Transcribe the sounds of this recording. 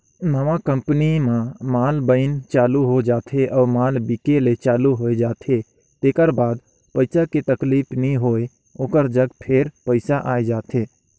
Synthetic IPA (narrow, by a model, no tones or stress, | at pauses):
nəʋakə̃mpnimãmaːlbəɪnt͡ʃaːluɦod͡ʒaːt̪ʰeʔɔːɾmaːlbikelet͡ʃaːluɦoed͡ʒaːt̪ʰe | t̪eːkəɾbaːd̪ | pəɪsaket̪əkliːpʰnĩɦoːe | oːkəɾd͡ʒəɡpʰeɾpəɪsaʔaːed͡ʒaːt̪ʰeː